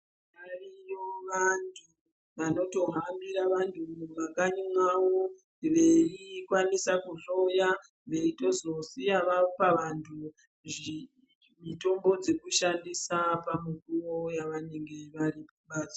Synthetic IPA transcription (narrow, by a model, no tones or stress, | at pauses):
arijoʋantʰu | ʋano̞to̞ɦambiɾaʋantʰuʋakaɲumwawo̞ | ʋe̞ikwanisakuɬo̞ja | ʋe̞ito̞zo̞sijaʋapaʋantʰu | ʐi | mito̞mbo̞d͡ze̞kuʃandisapamikurojaʋane̞ŋɡe̞ʋaɾipaɓaːt͡sa